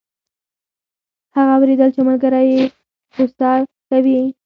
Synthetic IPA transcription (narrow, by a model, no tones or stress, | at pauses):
haɣaːwɾed̪əlt͡ʃemalɡaɾaje | ost̪ɑ | kawi